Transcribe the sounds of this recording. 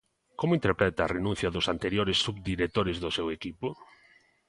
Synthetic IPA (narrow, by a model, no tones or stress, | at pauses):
komʊint̪eɾpɾɛt̪aːrenũn̟θjɐðʊsant̪eɾjoɾɪsːuβd̪iɾet̪oɾɪzðʊsɛwekipʊ